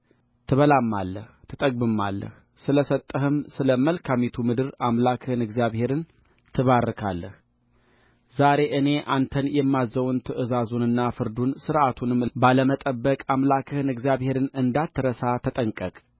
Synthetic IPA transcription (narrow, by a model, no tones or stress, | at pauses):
t̪ʰɨβəlamːa̰lːəht̪ʰɨt̪ʼəɡ̚bɨmːa̰lːə̰h | sɨləsət̪ʼːəɦɨmsɨləməlkʰamit̪ʰumɨd̪ɨɾamlakʰɨhɨnɨɡzijaβhe̞ɾɨn | t̪ʰɨβarːɨkʰalːəh | zaɾe̞ʔɨne̞ʔant̪ʰənjɛmːazəwnt̪ʰɨʔɨzazunɨnːafɨɾd̪unsɨɾʔat̪ʰunɨmbaləmət̪ʼəbːəkʼamlakʰɨhɨnɨɡzijaβhe̞ɾɨnɨnd̪at̪ʰːɨɾəsat̪ʰət̪ʼəŋkʼəkʼ